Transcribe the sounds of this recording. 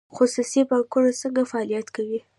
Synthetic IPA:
xʊsusipakoɾasəŋɡafaɑlijat̪kawi

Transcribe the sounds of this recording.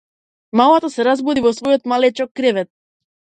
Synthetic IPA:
malˠat̪ɔsɛɾazbud̪ivɔsvɔjɔt̪malɛt͡ʃɔkːɾɛvɛt̪̚

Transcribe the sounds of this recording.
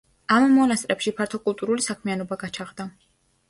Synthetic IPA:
ammɔnast̪ʼɾɛpʃipʰaɾt̪ʰɔkʼulˠt̪ʼuɾulisakʰmianɔbaɡat͡ʃʰaʁd̪a

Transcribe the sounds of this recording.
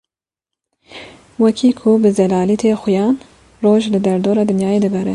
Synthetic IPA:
wɛkʰiːkʰʊbɨzɛlɑːliːt̪ʰexʊjɑːn | roːʒlɨd̪ɛɾd̪oːɾɑːd̪ɨnjɑːjeːd̪ɨbɛɾɛ

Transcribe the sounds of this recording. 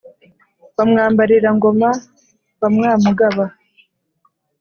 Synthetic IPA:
βamŋaːmbaɾiɾaŋɡo̞ma | βamŋaːmuɡaβa

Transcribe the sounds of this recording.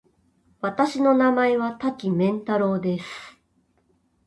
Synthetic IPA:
βat̪aɕino̞namaeβat̪akʲimẽ̞nt̪aɾo̞ːd̪e̞sɨ̥

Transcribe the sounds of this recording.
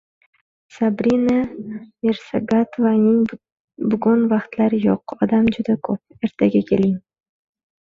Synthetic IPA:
sabɾinameɾsaɡat̪vanɪŋ | bʊɡʊnvaqt̪laɾjoqɒd̪amd͡ʒʊd̪akʰop̚e̞ɾt̪ʰaɡʲakʲʰe̞lɪŋ

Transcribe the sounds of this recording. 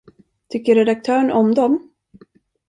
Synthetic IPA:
t̪ʰʏkːəɾɛd̪ak̚t̪ʰœːɳɔmd̪ɔm

